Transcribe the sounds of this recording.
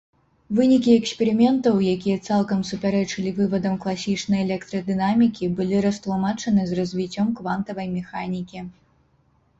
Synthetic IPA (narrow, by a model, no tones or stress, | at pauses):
vɨnʲikʲiɛksʲpʲɛɾɨmʲɛnt̪ɐwjakʲijɐt̪salˠkɐmsupʲaɾɛt͡ʂɨlʲivɨvɐd̪ɐmklˠasʲit͡ʂnɐjɛlʲɛkt̪ɾɐd̪ɨnamʲikʲibɨlʲiɾɐst̪lˠumat͡ʂɐnɨzrɐzʲvʲit͡sʲːɔmkvant̪ɐvɐjmʲɛxanʲikʲi